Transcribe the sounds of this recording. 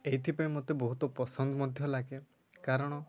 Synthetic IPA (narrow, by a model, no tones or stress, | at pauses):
ejt̪ʰipaĩmot̪ebɔɦut̪ɔpɔsɔnd̪ɔmɔd̪ʱjɔlaɡe | kaɾɔɽ̃ɔ